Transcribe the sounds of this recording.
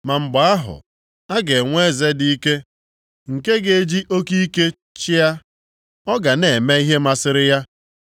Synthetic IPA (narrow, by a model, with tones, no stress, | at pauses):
ma˨m̩˨ɡ͡ba˨a˦ɦʊ̰˨ | a˦ɡe˨ŋʷe˦˨ze˦di˨˦i˦ke˦ | ŋ̩˨ke˦ɡe˨e˦d͡ʒi˦ʔo˦ki˦ke˦ | t͡ʃɪ˦ja˦ | ɔ˦ɡa˨ne˨e˨me˦i˦ɦe˦ma˦sɪ˦ɾɪ˦ja˦